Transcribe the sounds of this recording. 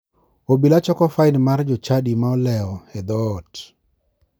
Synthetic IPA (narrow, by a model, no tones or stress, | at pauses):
obilat͡ʃɔkɔfaɪnmard͡ʒɔt͡ʃadimaɔlɛɔhɛd̪ɔːt